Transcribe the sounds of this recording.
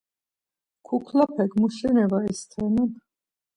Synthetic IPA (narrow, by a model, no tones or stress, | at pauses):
kʰukʰlapʰɛkmuʃɛnɛvaɛst̪ʰɛnan